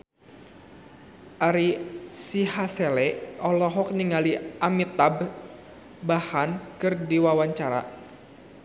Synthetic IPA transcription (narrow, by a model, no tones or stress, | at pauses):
ʔaɾisihaselɛʔɔlɔɦɔk̚niŋaliʔamit̪ab | bahankɨrdiwawaɲt͡ʃaɾa̰